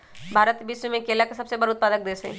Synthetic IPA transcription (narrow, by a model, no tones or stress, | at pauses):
bʱaːɾət̪bɪsmẽkeːlakesɐbsebəɾʊt̪̚paːd̪ək̚d̪eːse